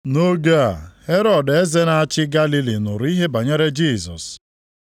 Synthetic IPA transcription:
no˦ɡa˦a̰˨he˦ɾɔ˨de˦ze˦na˦a˦t͡ʃɪ˦ɡa˦li˦li˨nʊ˨ɾi˦ɦe˦ba˨ɲe˦ɾe˦d͡ʒi˦˨zɔ̰˨s

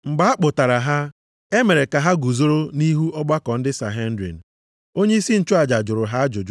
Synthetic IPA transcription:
ŋ͡m̩˨ɡ͡ba˦a˦k͡pʊ˨ta˨ɾa˨ɦa˦ | e˦me˨ɾe˨ka˨ɦa˦ɡu˨zo˦ɾo˦ni˦ɦu˦ɔ˦ɡ͡ba˦kɔ˨n̩˦dɪ˦sa˨ɦe˦n̩˦dɾḛ˨n̩˨ | o˦ɲe˦i˦si˦n̩˦t͡ʃʊ˦a˨d͡ʒa˨d͡ʒʊ˨ɾʊ˨ɦa˦a˦d͡ʒʊ˨d͡ʒ

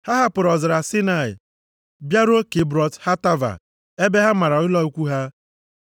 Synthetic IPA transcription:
ha˦ɦa˦pʊ˨ɾɔ˨zɪ˨ɾa˨sɪ˦na˨ɪ̰˨ | bja˦ɾo˦kɪ˨bɾɔ˨tha˦ta˦va̰˨ | e˦be˦ɦa˦ma˨ɾɔ˨ɪ˦lɔ˦u˦kʷu˦ɦa˦

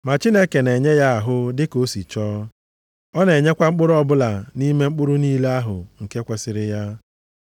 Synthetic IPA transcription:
ma˨t͡ʃi˦ne˦ke˨ne˨ɲe˦ja˦a˨ɦʊ˦dɪ˦ko˦si˨t͡ʃɔː˦ | ɔ˦ne˨ɲe˦kʷa˦ŋ͡m̩˦k͡pʊ˦ɾʊ˦ɔ˦bʊ˦la˨ni˦me˦ŋ͡m̩˦k͡pʊ˦ɾʊ˦niː˦le˦a˦ɦʊ̰˨ŋ̩˨ke˦kʷe˦sɪ˨ɾɪ˦ja˦

